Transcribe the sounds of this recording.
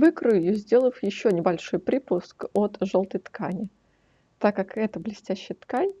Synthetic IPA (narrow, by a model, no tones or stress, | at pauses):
vɨkɾʊjjuzʲdʲe̞lˠəfjɪɕːonʲɪbɐlʲʂo̞jpɾʲipʊskot̪ʐolˠt̪əjt̪kʰanʲɪ | t̪akːakɛt̪əblʲɪsʲtʲæɕːɪjət̪kanʲ